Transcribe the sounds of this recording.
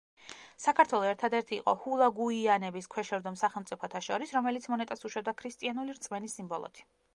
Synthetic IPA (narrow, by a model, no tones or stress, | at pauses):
sakʰaɾt̪ʰwɛlˠɔɛɾt̪ʰad̪ɛɾt̪ʰḭːqʼɔhulˠaɡuianɛbiskʰwɛʃɛɾd̪ɔmsaχɛlˠmt̪sʼipʰɔt̪ʰaʃɔɾisɾɔmɛlit̪sʰmɔnɛt̪ʼasuʃwɛb̚d̪akʰɾist̪ʼianuliɾt̪sʼmɛnisːimbɔlˠɔ̰t̪ʰi̥